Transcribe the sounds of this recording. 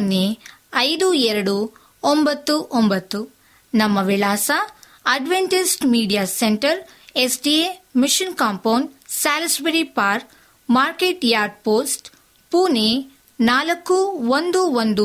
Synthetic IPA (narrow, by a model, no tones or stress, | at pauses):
nːeɐjd̪uɛɾɐɽu | ombɐt̪ːuʔombɐt̪ːu | nɐmːɐʋilaːsɐ | ɐɖʋeɳʈisʈmiːɖijaːseɳʈɐɾ | esɖiemiʂinkaːmpɐwnsaːlɐsbeɾipaːɾk | maːɾkeʈjaːɾɖ̚poːsʈ | puːne | naːlɐkːuʋond̪uond̪u